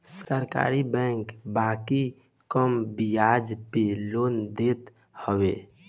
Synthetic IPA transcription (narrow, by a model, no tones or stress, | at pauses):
ssəɾka̰ɾibɛ̃ŋkbaki | kəmbijad͡ʒpelond̪et̪ | həbe